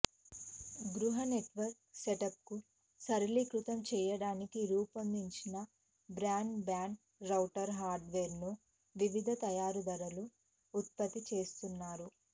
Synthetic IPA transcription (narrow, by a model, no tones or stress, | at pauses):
ɡɾuɦɐneʈʋɐɾk̚seʈɐp̚ku | sɐɾɐlikɾut̪ɐmt͡ʃɛːjɐɽaːnikiɾuːpɐnd̪iɲt͡ʃinɐ | bɾaːɳɖbaːɳɖ | ɾɐwʈɐɾɦaːɾɖʋeːɾnu | ʋiʋid̪ʱɐt̪ɐjaːɾud̪ɐɾɐluː | t̪̚pɐt̪ːit͡ʃe̞ːst̪unːaːɾu